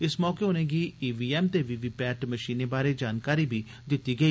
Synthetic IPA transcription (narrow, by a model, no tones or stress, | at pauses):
ɪsmɔːkeːɦʊnẽːɡiːiːʋiːɛːmt̪eːʋiːʋiːpɛːʈməʃiːneːbaːɾeːd͡ʒaːnkaːɾiːbiː | d̪ɪt̪ːiːɡəiː